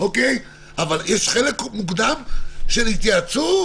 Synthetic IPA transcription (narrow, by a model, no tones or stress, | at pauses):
ʔokej | avaljeʃχele̞kmukd̪amʃelit̪jat͡su